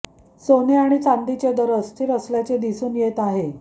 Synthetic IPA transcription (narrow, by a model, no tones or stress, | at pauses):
soneaɽ̃it͡sand̪it͡ɕed̪əɾəst̪ʰiːɾəsljat͡ɕed̪isuːnjet̪aɦe